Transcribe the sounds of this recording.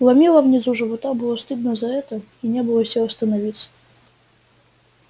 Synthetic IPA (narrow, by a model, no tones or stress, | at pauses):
lˠɐmʲilˠəvnʲɪzuʐɨvɐt̪abɨlˠost̪ɨd̪nəzɐɛt̪əinʲebɨlˠəsʲilˠɐst̪ənɐvʲit̪sə̥